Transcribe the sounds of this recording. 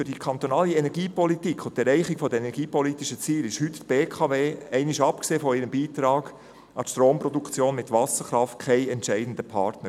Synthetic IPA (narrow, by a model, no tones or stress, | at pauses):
fyɾd̥ikʰɑnt̪onɑːliɛnɛɾɡiːpɔlit̪ikχʊntɛɾɛɪχɪɡ̥fɔd̪əɛnɛɾɡiːpɔlitɪʃət͡siːlɪʃhʏt̪tb̥eːkʰɑːveːɛɪnɪʃɑpkseːfɔɪɾəmbiːt̪ɾɑːɡ | ɑtʃtɾoːmpɾɔd̪ukt͡sjoːnmɪt̪vɑsəɾχɾɑft̚kʰɛɪɛntt͡ʃɛɪdn̩dəpʰɑɾtnəɾ